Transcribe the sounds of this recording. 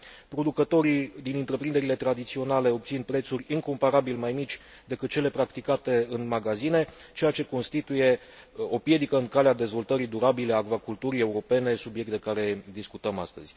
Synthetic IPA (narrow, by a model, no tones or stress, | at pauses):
pɾo̞d̪ukət̪o̞ɾid̪inɨnt̪ɾe̞pɾind̪e̞ɾile̞t̪ɾad̪it̪sio̞nale̞o̞bt̪sinpɾe̞t̪surʲiŋko̞mpaɾabilmajmit͡ʃʲ | d̪e̞kɨt̪̚t͡ʃe̞le̞pɾakt̪ikat̪e̞ɨnmaɡazine̞t͡ʃe̞jat͡ʃe̞ko̞nst̪it̪uje̞ | o̞pje̞d̪ikəɨŋkalead̪e̞zvo̞lt̪əɾid̪uɾabile̞akvakult̪uɾie̞uɾo̞pe̞ne̞subije̞k̚t̪d̪e̞kaɾe̞d̪iskut̪əma̰st̪əz̥ʲ